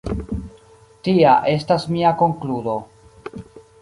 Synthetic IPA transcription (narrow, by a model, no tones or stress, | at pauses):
tiaʔe̞stasmiako̞ŋkludo̞